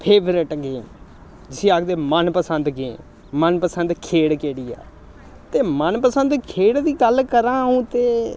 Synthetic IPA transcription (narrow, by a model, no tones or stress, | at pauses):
pʰeːbɾɪʈɡeː | d͡ʒɪsĩːaːkʰd̪eːmənpəsənd̪ɡẽ | mənpəsənd̪kʰeːɽkeːɽiːa̰ː | t̪eːmənpəsənd̪kʰeːɽd̪iːɡəlkəɾãːɦũːt̪eː